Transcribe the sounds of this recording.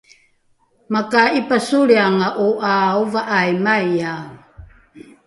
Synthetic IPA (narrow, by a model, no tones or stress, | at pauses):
makaipasuɾiaŋaʔuʔaovaʔajmaja